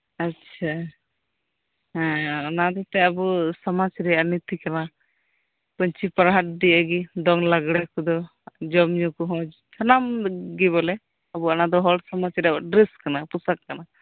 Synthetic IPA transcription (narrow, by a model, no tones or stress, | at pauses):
atːt͡ʃʰa | nad̪ɔt̪ɛəbusamat͡ʃɾɛjanit̪ikana | pəɲt͡ʃipaɾɦat̪̚ɖiəɡid̪ɔŋlaɡɽɛkɔd̪ɔ | d͡ʒɔmɲɔkɔɦɔ̃ | tʰanamɡibɔlɛ | abuanad̪ɔɦɔɽsɔmat͡ʃɾɛabaɖɾɛskanapusakːana